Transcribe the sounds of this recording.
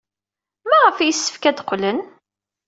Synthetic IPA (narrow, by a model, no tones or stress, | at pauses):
mæʁəfæjisːə̥fkæd̪qlən